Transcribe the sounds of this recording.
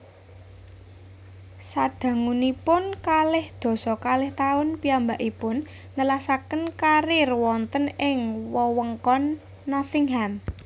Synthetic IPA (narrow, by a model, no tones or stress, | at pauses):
sad̥ä̤ŋunipʊnkalɪhd̪̥ɔ̤sɔkalɪht̪aʊnpiambaʔipʊnː | əlasakənkaɾirwɔnt̪ənɪŋwɔwəŋkɔnː | ɔsɪŋɦan